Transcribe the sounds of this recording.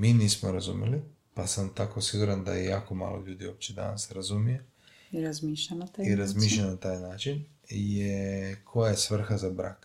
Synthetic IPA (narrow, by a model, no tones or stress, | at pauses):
miːniːsmoɾazumjḛli | pasamt̪ako̞siɡuɾand̪a̰jejaːko̞ma̰ːlo̞̰ʎuːd̪iuoːp̚t͡ɕed̪a̰nasɾazumije | iɾazmiːʃʎanat̪aiɾazmiːʃlanat̪aːjnaːt͡ʃin | ijekʰo̞jajesʋr̩xazabɾa̰ːk